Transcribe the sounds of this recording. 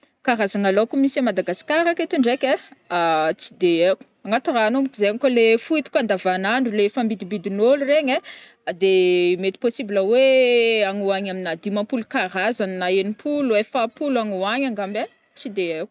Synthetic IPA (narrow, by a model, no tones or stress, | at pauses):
kaɾazaŋalokumisamad̪aɡasi̥kaɾaket̪iɳɖ͡ʐekeat͡sid̪eeku̥aŋat̪iranomukizeaŋkalefuit̪u̥kand̪avanaɳɖ͡ʐulefambid̪ibid̪inolureɲe | d̪emet̪i̥posibiləweaŋuaɲaminad̪imapulukaɾazannaenipʰuluefapulaŋuaɲaŋɡambe | t͡sid̪eeku̥